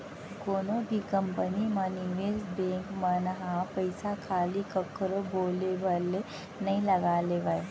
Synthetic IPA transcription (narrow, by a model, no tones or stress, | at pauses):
koːnobʱikəmpəniməniʋesbẽːŋkmənɦãpəjsakʰaːlikəkɾoboːlebʱəle | nɐɦĩlɐɡaːleʋəe